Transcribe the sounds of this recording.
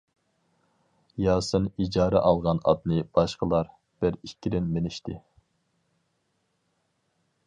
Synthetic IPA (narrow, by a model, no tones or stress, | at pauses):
jɑːsɨnid͡ʒɑːɾɛʔɑlˠʁɑnɑ̰d̪nɨb̥ɑʃqəlˠɑɾ | b̥ɪɾikʲːid̪ɪnmenɪʃt̪ʰɪ